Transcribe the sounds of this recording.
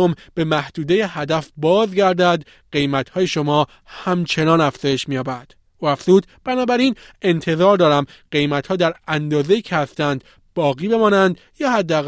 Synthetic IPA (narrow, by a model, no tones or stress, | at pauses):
omb̥e̞mæhd̪̥uːd̪e̞jehæd̪æfbɒːzɟæɾd̪æd̪ | ɢ̥e̞jmæt̪hɒːje̞ʃo̞mɒː | hæmt͡ʃʰe̞nɒːnæfz̥ɒːje̞ʃmiːjɒːbæd̪̥ | uːæfz̥uːd̪b̥ænɒːbæɾiːne̞nt̪ʰe̞zɒːɾd̪ɒːɾæmɢe̞jmæt̪hɒːd̪æɾænd̪ɒːze̞iːcʰehæst̪ænd̪ | b̥ɒːɣiːbe̞mɒːnænd̪ | jɒːhæd̪ːæːɣ